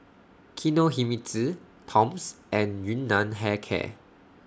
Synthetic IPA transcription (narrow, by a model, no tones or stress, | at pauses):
kʰinoɦimiti | tʰɔ̃msʔɛ̃njunːãnɦɛkʰɛ̰